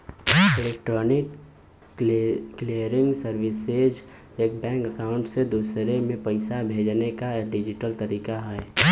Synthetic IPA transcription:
ɪleːk̚ʈɾɔːnɪk | lijəɾɪ̃ŋɡsəɾwɪsed͡ʒ | eːk̚bɛ̃ːŋkəkaːʊ̃ɳʈsed̪uːsɾemẽpɐɪsabʱeːd͡ʒnekaɖɪd͡ʒɪʈəlt̪əɾiːkaɦɛː

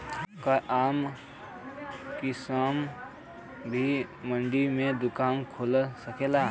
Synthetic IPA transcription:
kaʔaːm | kisaːm | bʱimə̃ɳɖimẽd̪ʊkaːnkʰoːlsəkela

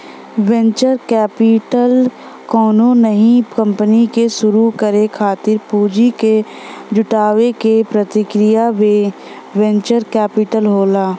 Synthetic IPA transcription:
wɛ̃ɲt͡ʃəɾkɛːpɪʈəl | kɔːnonəɦĩkɐ̃mpənikeʃʊɾukəɾekʰaːt̪ɪɾpuːd͡ʒike | d͡ʒʊʈaːʋekepɾət̪ɪkɾɪjaʋe | ʋɛ̃ɲt͡ʃəɾkɛːpɪʈəlɦoːlaː

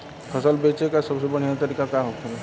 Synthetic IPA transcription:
pʰəsəlbet͡ʃekasəbsebəɽ̤̃ijat̪əɾikakaɦot̪e

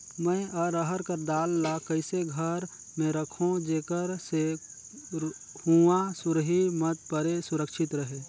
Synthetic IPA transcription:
mə̃ʔəɾəɦəɾkəɾd̪aːlːakəɪseɡʱəɾ | mẽɾəkʰõd͡ʒeːkəɾse | huasʊɾɦimət̪̚pəɾesʊɾəkʃɪt̪ɾəɦe

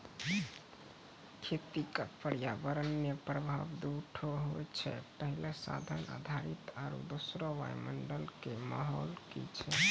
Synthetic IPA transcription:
kʰet̪ikəkpəɽijabəɾənːjəpɾəbʱabd̪uʈʰoɦojt͡ʃʰɛ̰pəɦilesa̰d̪ʱəna̰d̪ʱaɾit̪aɾṵd̪osɾɔʋa̰jməɳɖəlkemaɦɔlkḭt͡ʃʰɛ

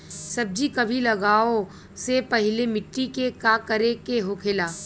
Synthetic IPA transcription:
sɐb̚d͡ʒikɐbʱilɐɡaːo | sepɐɦɪlemɪʈːikekakɐɾekeɦokʰelaː

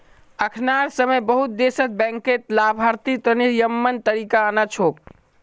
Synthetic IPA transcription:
əkʰnaɾsəməjbəɦut̪̚d̪esət̪̚bɛ̃ŋket̪labʱaɾt̪it̪əniɾjəmːənt̪əɾikaənat͡ʃʰop̚

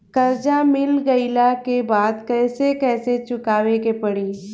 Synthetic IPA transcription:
kɐɾd͡ʒamɪlɡɐɪlakebaːd̪kɛːsekɛːset͡ʃʊkaːʋekepɐɽiː

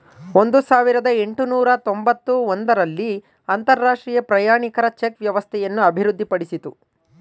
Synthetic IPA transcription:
o̞nd̪usaːʋiɾɐd̪ɐeɳʈunuːɾɐt̪o̞mbɐt̪ːuond̪ɐɾɐlːi | ɐnt̪ɐɾːaːʂʈɾiːjɐpɾɐjaːɳikɐɾɐt͡ʃekʋjɐʋɐst̪ʰɛjɐnːuɐbʱiɾud̪ːipɐɽisit̪u

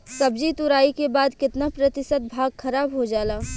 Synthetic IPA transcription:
sɐbd͡ʒit̪ʊɾaːikebaːd̪kɪt̪napɾɐt̪ɪsət̪̚bʱaːɡxʰɐɾaːbɦod͡ʒaːlaː

